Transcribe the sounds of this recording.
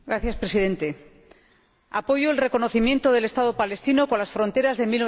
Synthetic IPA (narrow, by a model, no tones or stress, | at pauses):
ɡɾaθjaspɾesiðe̞nt̪e̞ | a̰po̞ʝoelre̞ko̞no̞θimjẽ̞nt̪oð̞e̞le̞st̪að̞o̞pale̞st̪ino̞konlasfɾõ̞nt̪e̞ɾazðe̞milːo̞